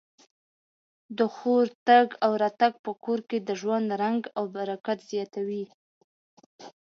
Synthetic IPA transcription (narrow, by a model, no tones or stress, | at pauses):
d̪əxoɾt̪aɡawɾɑt̪aɡ̚pəkoɾked̪əʒwand̪ɾaŋɡawbaɾakat̪z̥jɑt̪awi